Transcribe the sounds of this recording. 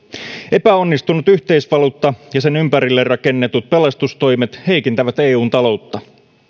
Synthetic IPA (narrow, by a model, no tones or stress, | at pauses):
e̞pæo̞nːist̪unut̪yht̪eisʋɑluːt̪ːɑjɑse̞nympæɾilːerːɑke̞nːet̪ut̪̚pe̞lɑst̪ust̪o̞jmet̪he̞jkint̪æʋæt̪eːuːnt̪ɑlo̞wt̪ːɑ